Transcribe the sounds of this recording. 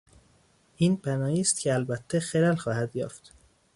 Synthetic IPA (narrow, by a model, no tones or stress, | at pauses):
ʔiːnpʰænɒːhiːst̪̚cʰeælbæt̪ʰːexelælxɒːhæd̪jɒ̰ːft̪